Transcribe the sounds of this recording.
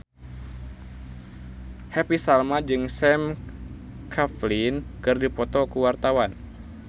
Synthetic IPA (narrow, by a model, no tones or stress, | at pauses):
hɛpisalmad͡ʒɨŋsɛm | kʰaflinkɨrdipɔt̪ɔkuwart̪awan